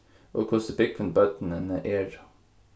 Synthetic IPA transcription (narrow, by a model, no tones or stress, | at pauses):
ʔoːkʰʊːsəbɪk̚pʰənbœːt̪n̩ənəʔeːɹ